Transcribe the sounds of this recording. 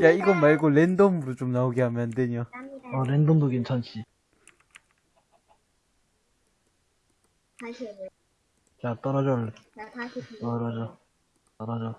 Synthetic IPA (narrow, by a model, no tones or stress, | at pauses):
jaiɡʌmaɭɡolendomuɾot͡ɕomnauɡeɦamjʌndweɲoʌlend̪omdoɡint͡ɕʰʌnɕʰi | jat̪͈ʌɾʌd͡ʑʌ | tʌɾʌd͡ʑʌ | tʌɾʌd͡ʑʌ